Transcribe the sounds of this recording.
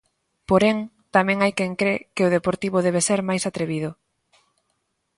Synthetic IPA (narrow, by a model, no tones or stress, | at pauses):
poɾeŋ | t̪amɛ̃ŋajkeŋkɾekɪʊð̞epoɾt̪iβʊðɛβ̞eseɾmajsat̪ɾeβiðʊ